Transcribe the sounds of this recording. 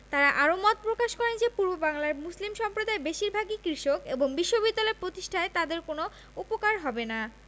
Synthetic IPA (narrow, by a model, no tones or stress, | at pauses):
t̪aɾaʔaɾomɔt̪̚pɾokaʃkɔɾend͡ʑepuɾbobaŋlaɾmuslimʃɔmpɾod̪aebeʃiɾbʱaɡikɾiʃokeboŋbiʃːobid̪ːalɔeɾpɾot̪iʃʈʰaet̪ad̪eɾkono | upokaɾɦɔbena